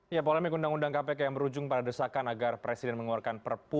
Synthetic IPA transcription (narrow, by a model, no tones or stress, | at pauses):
japɔlamikundaŋundaŋkapɛkajaməɾud͡ʒʊŋpadadəsakanaɡarpɾɛsidɛnməŋuarkanpərpu